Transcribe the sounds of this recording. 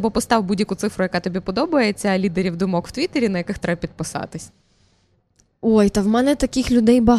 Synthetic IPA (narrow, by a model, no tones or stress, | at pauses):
bɔpɔst̪ɑwbudʲjɐkʊt̪sɪfɾʊjɐkɑt̪ɔbʲipɔd̪ɔbɐjet͡sʲːɐlʲid̪eɾʲiwd̪ʊmɔkw̥t̪ʲʋʲit̪eɾʲinɐjɐkɪxt̪ɾɛbɐpʲid̪̚pɪsɑ̰t̪ɪsʲ | ojt̪ɐwmɛnɛt̪ɐkɪxlʲʊd̪ɛjbɐɦ